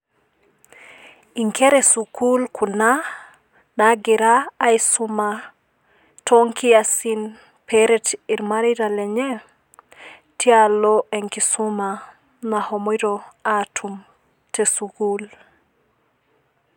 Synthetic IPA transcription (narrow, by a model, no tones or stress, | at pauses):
iŋkʰeɾesukulkʰuna | naɡiɾaːisuma | tʰoŋkiasin | pʰeɾɛtiɾmaɾiɾaleɲe | tialoʔeŋkisuma | nahomiɾoatʰum | tesukul